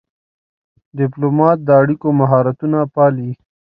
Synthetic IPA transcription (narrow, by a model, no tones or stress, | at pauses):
ɖɪplomɑt̪̚d̪əaɽikomaɦɑːɾat̪unapɑli